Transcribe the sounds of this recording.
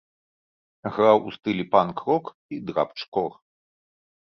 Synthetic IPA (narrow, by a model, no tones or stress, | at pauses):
ɣɾawʔust̪ɨlʲipankɾɔk | id̪ɾa̰pt͡ʂkɔr